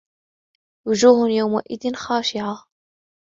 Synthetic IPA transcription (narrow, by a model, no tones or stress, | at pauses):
wʊd͡ʒuːhʊnjawma̰ʔɪðɪnxaːʃɪʕa